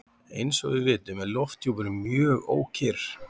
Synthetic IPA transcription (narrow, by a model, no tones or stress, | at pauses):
ejnsɔɣvɪðvɪːt̪ʏmɛðlɔft̪ʰjupɛɾʏmjœːɣo̰ːwcʰɪɾ̥